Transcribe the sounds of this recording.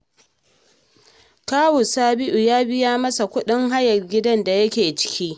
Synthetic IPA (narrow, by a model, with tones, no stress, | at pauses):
kaː˦wʊ˨saː˦bɪ˦ʔu˨jaː˦bɪ˦jaː˦mɐ˦sa˨kʷʊ˦ɗɪ˦ŋɦa˦jɐ˨rɡʲɪ˦dɐ˦nda˨jɐ˦kʲeː˨t͡ʃɪ̥˦kʲiː˦